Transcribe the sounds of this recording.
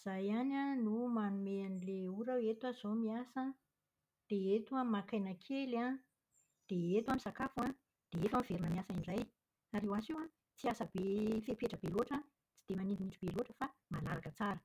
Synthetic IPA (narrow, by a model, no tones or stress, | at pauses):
iz̥ajananumanumeanileuɾawet̪waz̥omiasə | d̪̥eet̪uamakajnakʰela | d̪̥eet̪wamisakafua | d̪̥eet̪amiveɾinəmiasaiɳɖ͡ʐaj | aɾewasewa | t͡siasəbefepeʈ͡ʂəb̥eloʈ͡ʂa | t͡si̥d̪emanind̪imiʈ͡ʂub̥eloʈ͡ʂəfamalaɾakət͡saɾə